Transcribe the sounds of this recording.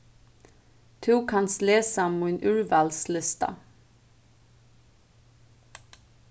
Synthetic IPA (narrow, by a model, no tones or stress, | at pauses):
t̪ʰʉːkʰɑnsleːsɑmuːenʔʉːɹʋɑːlslɪst̪ɑ̰